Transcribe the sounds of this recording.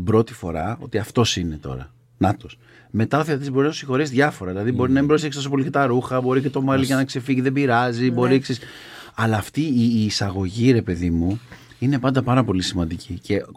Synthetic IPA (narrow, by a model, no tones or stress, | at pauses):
bɾo̞t̪i̥fo̞ɾɐ̰o̞̰t̪iɐft̪o̞sine̞t̪o̞̰ɾɐ̰ | nɐt̪o̞s | me̞t̪ɐoθeɐt̪izbo̞ɾinɐt̪u̥sixo̞ɾes̬ðʝɐfo̞ɾɐðilɐðibo̞ɾinɐmimbɾose̞kst̪os̬op̬o̞licet̪ɐɾuxɐbo̞ɾicet̪o̞mɐliʝɐnɐkse̞fiʝiðe̞biɾɐzibo̞ɾiksis | ɐlɐːft̪iiːsɐɣo̞ʝiɾe̞pe̞ðimu | ine̞pɐnd̪ɐpɐɾɐpo̞lisimɐnd̪icicʰe̞